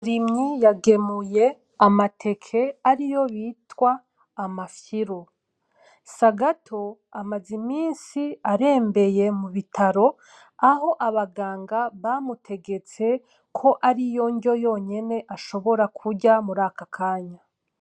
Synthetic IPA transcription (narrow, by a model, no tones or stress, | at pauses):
ɾimɲijaɡe̞muje̞ | amatʰe̞kʰe̞aɾijo̞βiːtwaː | mafjiɾo | saɡatʰo̞ | amazimiːnsiaɾe̞ːmbe̞je̞muβitʰaɾo̞ | aho̞ʔaβaɡaːŋɡaβamutʰe̞ɡe̞t͡se̞ | kʰo̞ʔaɾijo̞ɲɟo̞jo̞ːɲe̞ne̞ʔaʃo̞βo̞ɾakʰuɾɟamuɾaːkakʰaːɲa